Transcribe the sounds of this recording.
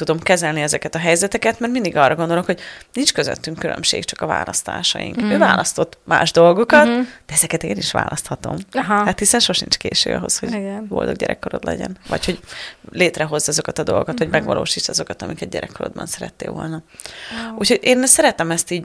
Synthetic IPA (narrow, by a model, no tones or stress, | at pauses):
t̪ud̪o̞mkɛzɛlniɛzɛkɛt̪ɒɦɛjzɛt̪ɛkɛt̪mɛrt̪mind̪iɡɒrːɒɡo̞nd̪olo̞khoɟnint͡ʃkøzø̰t̪ːyŋkːyɾø̰mʃḛːkt͡ʃɒkɒva̰ːlɒst̪a̰ːʃɒ̰jḭŋkøːvaːlʔɒst̪o̞t̪ːma̰ːʒd̪o̞lɡo̞kɒt̪d̥̪ɛɛzɛkɛt̪eːniʃʋa̰ːlʔɒst̪hɒt̪o̞̰mhat̪hisɛnʃo̞ʃint͡ʃkeːʃø̰ːɒ̰ɦo̞sho̞ɟvo̞̰ld̪o̰ɡ̚ɟɛ̰ɾɛ̰kːoɾo̞d̪lɛ̰ɟɛ̰nvɒ̰cho̞ɟleːt̪rɛɦo̞zːɒzo̞kɒt̪ɒd̪o̞lˠɡokɒt̪ʋɒɟmɛɡʋɒ̰lʔo̰ːʃiːt͡ʃɒzo̞kɒt̪ɒmikɛd̪̚ɟɛɾʔɛkːoɾo̰d̪̚bɒ̰nsɛɾɛt̪ːḛːʋo̞̰lnɒ | uːcho̞ɟeːnsɛɾɛt̪ɛmɛst̪iːɟ